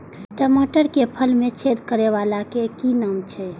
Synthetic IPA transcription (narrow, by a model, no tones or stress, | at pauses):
ʈəmoʈəɾkepʰəlmet͡ʃʰed̪kəɾeʋalakekinəmt͡ʃʰɛ